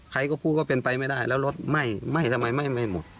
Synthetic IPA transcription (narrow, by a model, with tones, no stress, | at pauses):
kʰa˧˦jkɔː˧˩pʰuː˧˩kɔː˧˩pe˨˧npa˨˧jma˥˩jdaː˥˩jlɛː˧˥wlo˧˥t̪̚ma˧˥˩jma˥˩jsʰa˧ma˧˦jma˧˥˩jma˧˥˩jmo˨˩˦t̪̚